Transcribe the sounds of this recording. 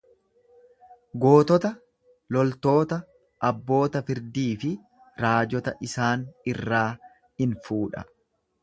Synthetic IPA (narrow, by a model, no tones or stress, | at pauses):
ɡo̞ːt̪ɔt̪ɐ | lɔlt̪o̞ːt̪ɐ | ʔɐbːo̞ːt̪ɐfɪɾd̪iːfɪ | ɾaːd͡ʒɔt̪ɐʔɪsaːnɪrːaː | ɪnfuːᶑɐ̰